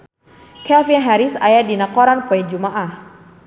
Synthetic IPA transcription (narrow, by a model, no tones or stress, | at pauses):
kɛlfinɦaɾisa̰jadinakɔɾanpuɛd͡ʒumaʔah